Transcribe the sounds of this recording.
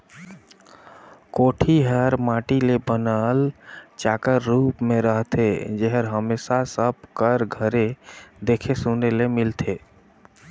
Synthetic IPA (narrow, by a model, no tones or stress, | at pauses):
koːʈʰiɦəɾmãːʈilebənalt͡ʃaːkəɾːuːpmẽɾəɦt̪ʰed͡ʒeɦəɾɦəmeːsasəb̚kəɾɡʱəɾed̪eːkʰesunelemɪlt̪ʰe